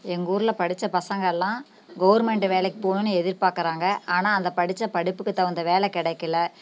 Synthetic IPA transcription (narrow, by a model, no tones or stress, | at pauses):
ɛŋɡuːɾɯlɐpɐɽɪt͡ʃːɐpɐsɐŋɡɐɛlːãː | ɡɐʋɐɾmɛɳʈɯʋeːlɛkːɯ̥poːnɯnːɯɛðɪɾpaːɾkɪɾaːŋɡɐaːnaːɐnd̪ɐpɐɽɪt͡ʃːɐpɐɽɪpːɯkːɯt̪ːãɐnd̪ɐʋeːlɛkɪɽɐɪkːɪlɐ